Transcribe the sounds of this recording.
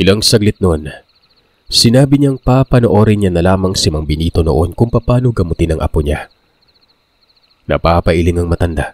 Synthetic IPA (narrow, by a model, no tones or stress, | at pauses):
ʔɪlaŋsɐɡlɪt̪̚non | sɪnaːbɪɲaŋpapɐnoʔo̞ːɾɪɲanɐlaːmɐŋsɪmɐŋbɪniːt̪o̞no̰ʔo̞nkʊŋpɐpaːno̞ɡɐmʊt̪ɪnɐŋʔɐ̰poɲa | nɐ̰papɐʔɪlɪŋɐŋmɐt̪ɐnd̪a̰